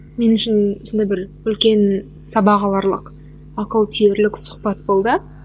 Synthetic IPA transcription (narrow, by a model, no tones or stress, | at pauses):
me̞nʏʃɪnosond̪ɑjbɪɾ | ʏlkʲe̞n | sɑbɑʁɑlˠɑɾlˠəq | ɑqəlˠt̪ʰijeɾlɪksʊ̥χpɑt̪̚bo̞lˠd̪ə